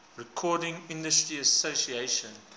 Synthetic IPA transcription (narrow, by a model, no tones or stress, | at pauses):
ɹɛkʰɔːdɪ̃ŋɪ̃ndəstɹiəsosieɪʃə̃n